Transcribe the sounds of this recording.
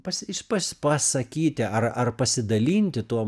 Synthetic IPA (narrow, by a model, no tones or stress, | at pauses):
pɐsʲɪʃpɐsʲpɐsɐkʲiːt̪ʲɪɐrɐrpɐsʲɪd̪ɐlʲiːnʲt̪ʲɪt̪uɔ